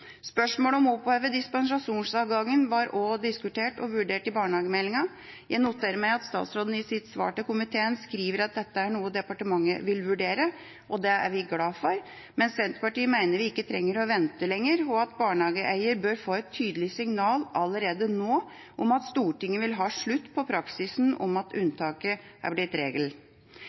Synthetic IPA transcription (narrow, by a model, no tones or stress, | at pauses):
spœʂmoːləɔmɔpːhøːʋəd̪ɪspɛnsɑʂuːnsɑːʋɡɑŋːənʋɑɾɔd̪ɪskʉt̪ʰeːʈɔʋʉɖeːʈɪbɑːɳəhɑːɡəmɛlːɪŋɑ | jæɪnʊt̪ʰːeːɾəmæɪɑt̪st̪ɑ̰ːt̪sɾoːd̪n̩ɪsɪt̪sʋɑ̰ːʈəkʊmɪt̪ʰeːənskɾiːʋəɾɑt̪̚d̪ɛt̪ːəæɳuːəd̪ɛpɑʈəmɑŋːə̰ʋɪlʋʉɖeːɾə | ʔɔd̪ɛæ̰ɾʋɪɡlɑːfɔɾ | mɛnsʋɛnt̪pɑʈiːəmæɪnəɾʋɪɪkːət̪ʰɾɛŋːəɾɔʋɛnt̪əlɛŋːəɾɔɑt̪bɑːɳhɑːɡəʔæɪəɾbøːɾfoːɛt̪ʰːyːd̪əlɪsɪŋnɑːlɑləɾeːd̪ənoː | ʔɔmɑt̪st̪uːʈɪŋːəʋɪlɦɑːʂɭʉt̪ːpʰɔpʰɾɑksɪsnɔ̰mɑt̪ʰʉnt̪ʰɑːkəʔæ̰blɪt̪ɾeːɡəl